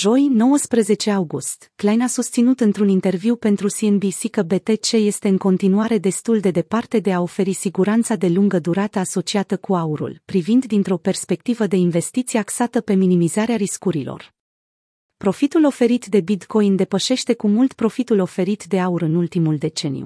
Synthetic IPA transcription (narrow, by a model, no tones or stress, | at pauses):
ʒo̞jno̞wəspɾəze̞t͡ʃe̞awɡust̪klajnasust̪sinut̪ɨnt̪ɾunint̪e̞rviwpe̞nt̪ɾusienbisikəbe̞t̪e̞t͡ʃe̞je̞st̪e̞ɨŋko̞nt̪inuaɾe̞d̪e̞st̪uld̪e̞d̪e̞part̪e̞d̪e̞ao̞fe̞ɾisiɡuɾant̪sad̪e̞luŋɡəd̪uɾat̪əaso̞t͡ʃiat̪əkuauɾṵlpɾivind̪d̪int̪ɾo̞pe̞rspe̞k̚t̪ivəd̪e̞inve̞st̪it̪sijaksat̪əpe̞minimizaɾeaɾiskuɾilo̞̰r | pɾo̞fit̪ulo̞fe̞ɾit̪d̪e̞bit̪kʰo̞jnd̪e̞pəʃe̞ʃt̪e̞kumult̪pɾo̞fit̪ulo̞fe̞ɾit̪d̪e̞auɾɨnult̪imuld̪e̞t͡ʃe̞nijṵ